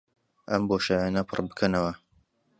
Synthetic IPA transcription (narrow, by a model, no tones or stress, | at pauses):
ʔɐ̰mboːʃajanɐpʰɨ̰rbɨkʰɐnɐwɐ